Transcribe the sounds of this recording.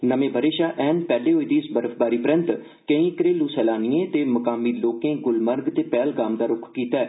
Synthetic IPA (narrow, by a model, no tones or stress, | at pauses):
nəmẽːbʱəɾeːʃaːʔɛːnpɛːleːɦoːiːd̪iːɪsbəɾəfʰbaːɾiːpɾə̃nt̪ | kə̃ĩːkɾeːluːsɛːlaːniːẽːt̪eːməkaːmiːloːkẽːɡʊlməɾɡt̪eːpɛːlɡaːmd̪aːɾʊkʰkiːt̪aːɛː